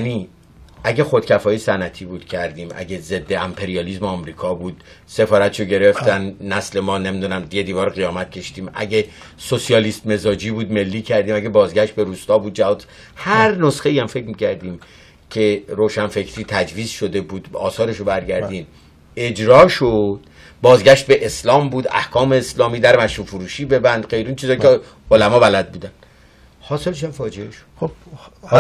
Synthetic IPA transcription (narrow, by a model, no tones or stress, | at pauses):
æniː | ʔæɟe̞xod̪̥̚cʰæfɒːjesænæt̪ʰiːbuːd̪̥cʰæɾd̪iːmæ̰ɟe̞ze̞d̪ːe̞æmpʰe̞ɾijɒlizmɒmɾiːkʰɒːbuːd̪̥ | se̞fɒːɾæt̪ʃoɟe̞ɾe̞ft̪ænnæsle̞mɒːnemid̪uːnæmd̪ijed̪iːvɒːɾɣijɒːmæt̪̚cʰe̞ʃi̥d̪iːmæ̰ɟe̞sosijɒːlist̪me̞zɒːd͡ʒiːbuːd̪me̞lːiːcʰæɾd̪iːmæɡe̞bɒːzɡæʃt̪̚be̞ɾuːst̪ɒːbuːd̪̚d͡ʒæhɒːd̪ | hæɾnosxeiːæmfe̞cmicʰæɾd̪iːm | cʰe̞ɾoːʃænfe̞cʰɾiːt̪ʰæd͡ʒviːzʃo̞d̪e̞buːd̪ɒ̰ːsɒːɾe̞ʃobæɾɟæɾd̪iːm | e̞d͡ʒɾɒːʃod̪̥ | bɒːzɡʲæʃt̪̚beʔeslɒːmbuːd̪æ̰hkʰɒːmeːslɒːmiːd̪æɾmæʃɾuːfuɾuːʃiːbe̞bænd̪̥ɢe̞jɾeunt͡ʃʰizɒːjike | olæmɒːbælæd̪̚buːd̪æn | hɒːsɒːɾeʃ̬æmfɒːd͡ʒe̞eʃod̥̪ob